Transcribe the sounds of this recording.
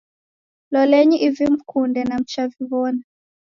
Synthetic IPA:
lɔlɛɲiʔivim̩kʰundɛnam̩t͡ʃaviβɔna

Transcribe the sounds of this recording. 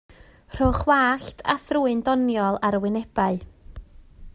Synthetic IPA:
r̥oχwaːɬtʰa̰θruːɨndɔnjɔlˠaɾwɪnɛb̥aɨ

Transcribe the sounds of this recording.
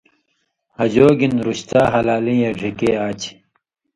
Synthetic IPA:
hɐd͡ʑoːɡinɾuɕt̪aːɦɐlaːlĩːjeɖʱikeːaːt͡ɕ

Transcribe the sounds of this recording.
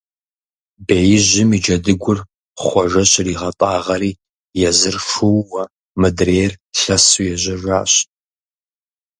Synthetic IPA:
beːjɪʑɪmiːd͡ʒɐdɨɡʷʊr | χʷɔʒɐɕriːʁɐpʼaːʁɐɾiː | jɛzɨrʂʊwːɐ | mɨdreːrɬɐsujɛʑɐʒʷaːɕ

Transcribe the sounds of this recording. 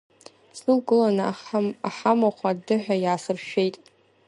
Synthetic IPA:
snɨlɡɨlanɨaħamaχʷʰadɨħʷᶣajaːsɨrʃᶣe̞jtʼ

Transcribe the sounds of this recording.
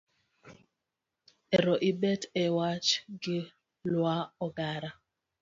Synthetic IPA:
ɛɾɔʔibɛtɛwat͡ʃɡɪ | lwaɔɡaɾa

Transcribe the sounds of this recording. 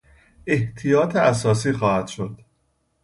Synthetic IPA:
ʔe̞ht̪ʰijɒːt̪ʰeæs̬ɒːs̬iːxɒːhæd̪̥ʃod̪̥

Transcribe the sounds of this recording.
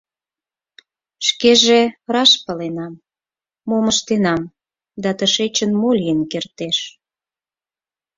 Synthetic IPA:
ʃkeʒerɑʃpəlenɑmː | oməʃt̪enɑm | d̪ɑt̪əʃet͡ɕənmolʲijənkert̪eʃ

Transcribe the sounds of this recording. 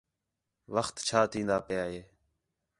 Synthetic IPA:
ʋəxt̪t͡ʃʰaːt̪ʰĩːnd̪aːpəjaːɦeː

